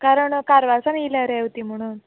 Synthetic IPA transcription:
kaɾəɳkaɾʋasamilaɾeewt̪im̤əɽ̃uːn

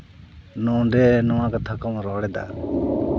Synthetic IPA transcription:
nɔ̃ɖɛnɔwãkat̪ʰakɔmɾɔɽɛd̪a̰

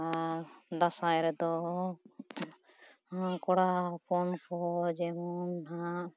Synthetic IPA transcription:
ad̪asajɾɛd̪ɔ | kɔɽapɔnkʰɔd͡ʒɛmɔnɦaʔ

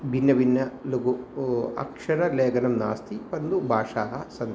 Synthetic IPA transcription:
bʱinːɐʋinːɐluɡuɐ̰kʂɐɾɐleːɡɐnɐmna̰ːst̪ʰipɐnd̪ubʱaːʂaːɦɐsɐn

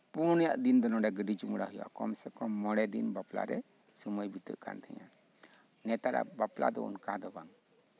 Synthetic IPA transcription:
puɾnɛjaʔd̪ind̪ɔnɔɖɛɡəɖit͡ʃumɽaɦuja̰ʔkɔmsɛkɔmɔɽɛd̪inbapla̰ɾɛ | suməjbit̪ə̰ʔkʰa̰nt̪ʰɛ̰ɲa̰ | nɛt̪aɾa̰bapla̰d̪ɔ̰ṵnkad̪ɔbaŋ

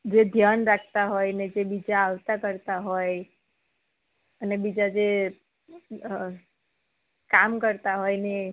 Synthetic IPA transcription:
d͡ʒed̪ʱjanɾakʰt̪aɦojned͡ʒebid͡ʒaːʋt̪akəɾt̪aɦoj | ənebid͡ʒad͡ʒe | kamkəɾt̪aɦojne

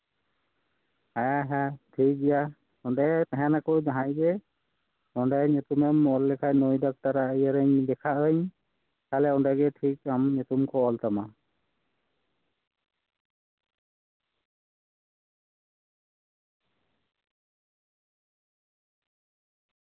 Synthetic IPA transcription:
ajaɦɛtʰik̚dija | ɔndat̪ɛɦɛnakɔwd͡ʒaɦajbɛ | ɔndajɲut̪umɛmɔlːɛkʰajnojdak̚taɾaəjaɾəɲdɛkʰaʔəɲ | kalɛɔndaɡɛtʰikamɲut̪umkʰɔɔlt̪ama

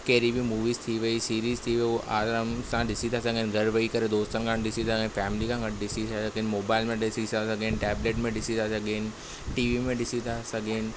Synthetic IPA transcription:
kɐɦɾibimuːʋiːzt̪ʰiʋɐisiːɾiːzt̪ʰiʋuʔaːɾəmsãɗɪsit̪ʰasɐɡʱenɪ̆ɡʱɐɽʋɐikɐɾed̪oːst̪ənɪ̆kʰãːnɗɪsit̪ʰaɡenɪfɛːmɪlikʰãɡɐʈʰɗɪsisɐsɐɡenɪ̆moːbaːɪlmẽɗɪsisasɐɡʱenɪ̆ʈɛːbleːʈmẽɗɪsit̪ʰasɐɡʱenɪ̆ | ʈiːʋimẽɗɪsit̪ʰasɐɡʱeːnɪ̆

